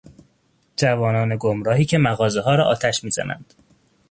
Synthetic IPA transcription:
d͡ʒævɒːnɒːne̞ɡomɾɒːɦiːcʰe̞mæɣɒːzeɦɒːɾɒːʔɒːt̪ʰæʃmiːzæ̰næ̰nd̪̥

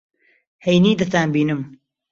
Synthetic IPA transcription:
hejniːd̪ɐt̪aːnbiːnɨm

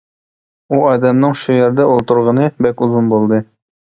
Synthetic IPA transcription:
uɑd̪æmnɤɴʃujæɾd̪æulˠt̪ɤ̆ɾʁɤ̆nɤbækuzunbolˠd̪ɤ

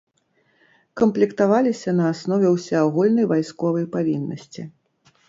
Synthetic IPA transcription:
kɐmplʲikt̪avalʲisʲɐnɐːsnɔvʲɛwsʲɛaɣulʲnɐjvajskɔvɐjpavʲinːɐsʲt͡sʲi

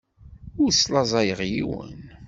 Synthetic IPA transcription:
ʊɾslɑzˤɑjəʁjiwə̰n

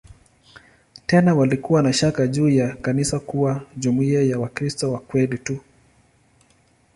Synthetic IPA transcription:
tɛnawalikuwanaʃakaʄuːjakanisakuwaʄumuiajawakɾistɔwakwɛlitu

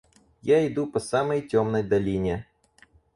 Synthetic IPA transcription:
jaɪd̪upɐsamɐjtʲɔmnəjd̪ɐlʲinʲe

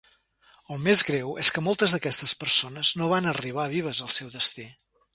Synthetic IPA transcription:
əlˠmezɣɾɛweskəmolˠt̪əzðəkɛst̪əspəɾsonəznoβ̞anəriβ̞aβiβ̞əzəlˠsɛwðəst̪i

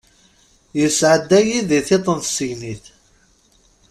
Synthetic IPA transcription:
jəsʕəd̪ːæjiðiθet̪ˤənθsəʝniθ

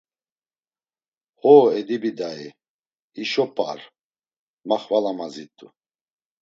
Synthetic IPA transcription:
hɔɛd̪ibid̪aɛ | iʃɔpʼa̰ɾ | maχvalamazit̪ʼṵ

